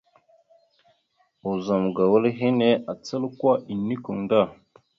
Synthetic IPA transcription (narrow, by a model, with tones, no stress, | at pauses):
o˨za˨m˨ɡa˨wə˦lɦe˦ne˦ʔa˨t͡sə˦lkwa˦i˨nːi˦ku˨ŋda˦˨